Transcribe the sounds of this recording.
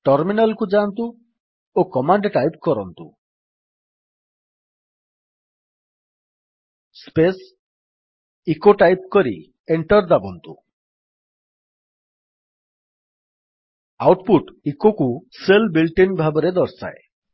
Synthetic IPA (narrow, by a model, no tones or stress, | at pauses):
ʈɔɾminalkud͡ʒant̪u | okɔmaɳɖʈajpkɔɾɔnt̪u | spes | ikoʈajp̚kɔɾḭ | eɳʈɔɾd̪abɔnt̪u | awʈpuʈikokuselbilʈinbʱabɔɾed̪ɔɾsa̰e